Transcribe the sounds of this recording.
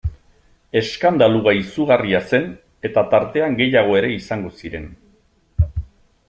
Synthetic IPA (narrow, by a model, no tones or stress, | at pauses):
e̞skand̪aluɣaisuɣariase̞n | e̞t̪at̪aɾt̪e̞aŋɡe̞jaɣ̞o̞e̞ɾe̞isaŋɡo̞siɾe̞n